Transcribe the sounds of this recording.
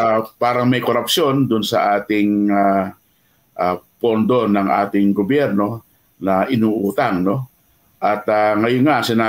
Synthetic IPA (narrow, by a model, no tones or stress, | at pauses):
apaːɾɐŋmɐjkoɾapsjond̪ʊnsɐ̰ʔaːt̪ɪŋa | ʔapond̪onɐŋʔa̰ːt̪ɪŋɡobjɛɾno̞ | nɐʔɪnuʔuːt̪aŋno | ʔɐt̪aŋɐjʊnŋaʔsɪnaː